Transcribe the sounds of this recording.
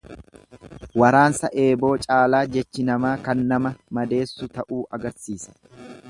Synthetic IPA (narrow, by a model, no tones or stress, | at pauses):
wɐɾaːnsɐʔe̞ːbo̞ːt͡ʃʼaːlaːd͡ʒɛt͡ʃːɪnɐmaːkɐnːɐmɐmɐd̪e̞ːsːʊt̪ɐʔuːʔɐɡɐɾsiːsɐ̥